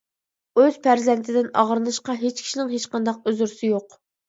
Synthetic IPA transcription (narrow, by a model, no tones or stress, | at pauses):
øz̥pʰæɾzɛnt̪ʰɪd̪ɪnɑ̰ʁɾɨnˠɨʃqɑɦet͡ʃkʲʰi̥ʃinɪŋɦet͡ʃqɑnd̪ɑq̚øzyɾsɪjoq